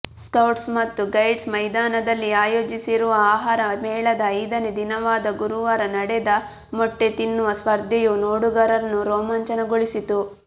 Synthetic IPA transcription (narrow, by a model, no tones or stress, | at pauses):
skɐwʈsmɐt̪ːuɡɐjɖsmɐjd̪aːnɐd̪ɐlːiaːjoːd͡ʒisiɾuʋɐaːɦaːɾɐmɛːɭɐd̪ɐɐjd̪ɐned̪inɐʋaːd̪ɐɡuɾuʋɐɾɐnɐɽɛd̪ɐ | mɔʈːe̞t̪inːuʋɐspɐɾd̪ʱɛjunoːɽuɡɐɾɐnːuɾoːmɐɲt͡ʃɐnɐɡoɭisit̪u